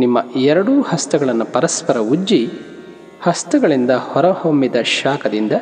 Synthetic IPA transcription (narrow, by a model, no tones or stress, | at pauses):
nimːɐɛɾɐɽuːhɐst̪ɐɡɐɭɐnːupɐɾɐspɐɾɐud͡ʒi | hɐst̪ɐɡɐɭind̪ɐhɔɾɐhomːid̪ɐʃaːkɐd̪ind̪ɐ